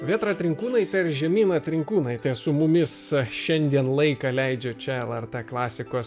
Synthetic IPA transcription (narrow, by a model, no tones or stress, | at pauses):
ʋʲiːt̪ɾoːɐt̪ʲɾʲɪŋkuːnɐɪt̪ʲɛɾʒʲɛmʲiːnɐt̪ʲɾʲɪŋkuːnɐɪt̪ʲɛsʊmʊmʲɪsʃʃʲɛnʲd̪ʲiɛnlˠɐɪkɐlʲɛɪd͡ʒʲoːt͡ʃʲɛɛlˠɛɾt̪ɛːklˠɑːsʲɪkoːs